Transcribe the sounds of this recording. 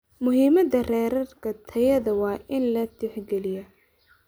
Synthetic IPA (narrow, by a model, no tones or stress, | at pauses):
mʊɦiːmɐd̪ɐrɛːɾɐrkʰɐt̪ʰɐjɐðɐwɑːʔɪnlɐt̪ʰɪħɡɛlɪjɐ